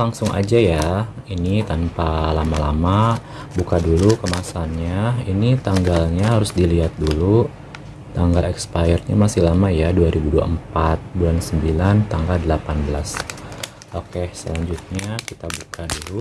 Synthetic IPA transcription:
laŋsʊŋʔa̰d͡ʒajainit̪anpalamalama | bukadulukəmasanɲainit̪aŋɡalɲaɦaɾʊsdiliɦat̪̚dulu | t̪aŋɡalɛkspajərɲa̰masihlamajaduaɾibudua̰əmpat̪̚bulansəmbilant̪aŋɡaldəlapanbəlas | ʔokesəlaɲd͡ʒʊt̪̚ɲakit̪abukadulu

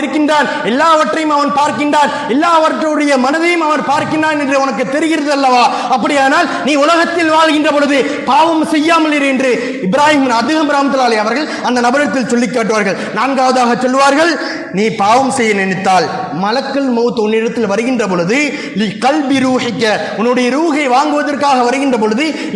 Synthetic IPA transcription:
ɪɾɯkːɪndraːn | ɛlːaːʋɐʈːrɐjɯmɐʋɐnpaːɾkɪndaːn | ɛlːaːʋɐʈrɯɽɐjɐmɐnɐðɐjɯmɐʋɐnpaːɾkɪndaːnɛndrɯʊnɐkːɯt̪ːɛɾɪɣɪɾɐðɐlːɐʋaː | ɐpːɐɽɪjaːnaːlniːʊlɐɣɐt̪ːɪlʋaːɭɣɪndrɐpɔɻɯðɯ | paːʋɐmsɛjːaːmɐlɪɾɛndrɯ | ɪbɪɾaːjɪmɪnɐd̪ɪɣɐmɾaːmɐt̪ːɐlaːlɐjɐʋɐɾɣɐɭ | ɐnd̪ɐnɐbɐɾɐt̪ːɪlsɔlːɪkːaːʈːɯʋaːɾɣɐɭ | naːnɡaːʋɐðaːɣɐt͡ʃːɔlːʋaːɾɣɐɭ | niːpaːʋɐmsɛjːɐnɛɳɪt̪ːaːl | mɐlɐkːɐlmɐːt̪ːɔnːɪɽɐt̪ːɪlʋɐɾɯɣɪndrɐp̬ɔɻɯðɯ | lqɐlbɪɾuːhɪkːɐ | ʊnːɯɽɐjɐɾuːɣɐɪʋaːŋɡɯʋɐðɐrkaːɣɐʋɐɾɯɣɪndrɐp̬ɔɻɯðɯ

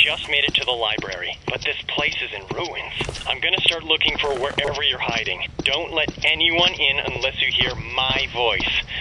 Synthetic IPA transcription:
d͡ʒʌst̚meɪɾɨtʰɨðəlaɪbɹɛ̰ɹḭb̥ʌt̪̚ðɪspʰl̥eɪsɨzɨ̃nɹuɨ̃nz̥ãɪ̃mɡʌñɨstɑɹtˡlʊkɪ̃ŋfə˞wə˞ʔɛvə˞jə˞haɪɾɪ̰̃ŋd̥õʊ̃nʔlɛɾɛniwʌ̃nɪ̃nə̰̃nlɛsjɨhiɹmaɪvɔɪs

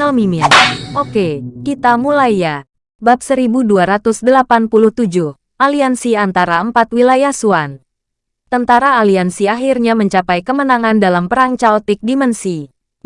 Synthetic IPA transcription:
amimɪnʔokekit̪amulajːa | bap̚səɾibuduaɾat̪ʊsdəlapanpuluht̪ud͡ʒʊh | ʔaliansiant̪aɾaəmpat̪wilajahsuan | t̪ənt̪aɾaːliansiaɦirɲaməɲt͡ʃapajkəmənaŋandalampəɾaɲt͡ʃalt̪ɪk̚dimənsi

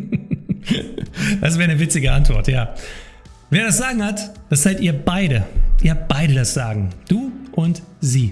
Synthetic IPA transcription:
d̥asv̥ɛːʁənəvɪt͡sɪɡəʔantv̥ɔɐtjaː | veːɐɾasz̥aːɡŋ̩hatd̥asz̥aɪtʔiːɐbaɪɾəʔiːɐb̥aɪdədasz̥aːɡŋ̩d̥uːʔʊntz̥iː

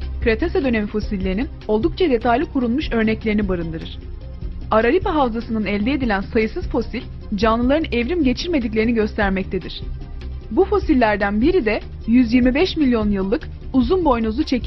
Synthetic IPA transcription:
kɾet̪ʰesed̪ø̞nemifo̞silʲːeɾinin | o̞lˠd̪uk̚t͡ʃʰad̪e̞t̪ʰajlʲikʰuɾulˠmuʃø̞ɾnɛclʲe̞ɾinibaɾɯnd̪ɯɾɯɾ̥ | aɾaɾipaɦavzasɯnɯnɛlʲd̪eed̪ilʲænsajɯsɯz̥fo̞silʲ | d͡ʒanlˠɯlˠaɾɯnevɾimɟe̞t͡ʃʰiɾme̞d̪ic̬lʲeɾiniɟø̞st̪ʰæɾmɛc̚t̪ʰe̞d̪iɾ̥ | bufo̞silʲːæɾd̪ænbiɾid̪ɛ | jyzjiɾmibɛʃmilʲjo̞njɯlˠːɯk | uzunbo̞jnuzut͡ʃʰe̞cʰi

